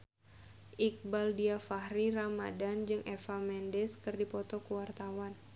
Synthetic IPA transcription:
ʔik̚baldiafahrirama̰dand͡ʒɨŋʔɛfamɛndɛskɨrdipɔt̪ɔkuwart̪awan

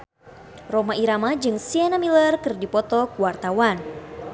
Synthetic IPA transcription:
rɔmaiɾamad͡ʒɨŋsiɛnamilərkɨrdipɔt̪ɔkuwart̪awan

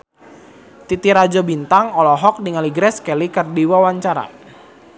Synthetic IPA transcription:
t̪it̪iɾad͡ʒɔbint̪aŋɔlɔɦɔk̚diŋaliɡɾɛskɛlikərdiwawaɲt͡ʃaɾa̰

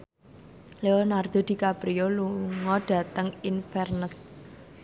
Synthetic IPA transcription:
leonard̪̥o̤d̪̥i̤kapɾioluŋɔd̥ä̤t̪əŋinfɛrnəs

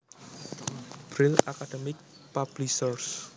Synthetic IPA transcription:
b̥ɾɪlakad̥əmɪk̚ | pab̥lisɔrs

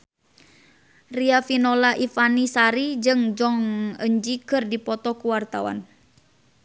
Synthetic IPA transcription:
riafinɔlaʔifanisaɾid͡ʒɨŋd͡ʒɔŋəɲd͡ʒikɨrdipɔt̪ɔkuwart̪a̰wa̰n

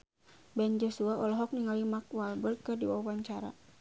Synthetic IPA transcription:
bɛnd͡ʒɔsuaɔlɔɦɔk̚niŋalimak̚walbərkɨrdiwawaɲt͡ʃaɾa̰

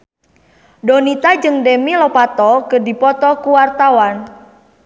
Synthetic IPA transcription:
dɔnit̪ad͡ʒɨŋdemilɔpat̪ɔkədipɔt̪ɔkuwart̪awan

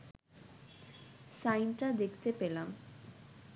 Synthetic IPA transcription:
sajnʈad̪ekʰt̪epelam

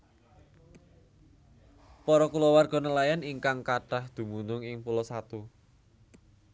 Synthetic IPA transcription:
pɔɾɔkulɔwarɡ̥ɔ̤nəlajaniŋkaŋkaɖ̥ahd̪̥ṳmunʊŋɪŋpulɔsat̪u

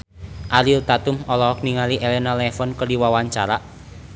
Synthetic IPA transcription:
ʔaɾilt̪at̪ʊmɔlɔɔk̚niŋaliʔelɛnalɛfɔnkərdiwawaɲt͡ʃaɾaʔ

